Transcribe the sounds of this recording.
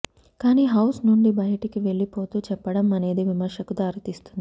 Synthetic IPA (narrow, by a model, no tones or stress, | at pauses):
kaːniːɦɐwsnuɳɖibɐjɐʈikiʋe̞ɭːipo̞ːt̪uːt͡ʃɛpːɐɽɐmɐne̞ːd̪iʋimɐɾʂɐkud̪aːɾut̪ist̪und̪ii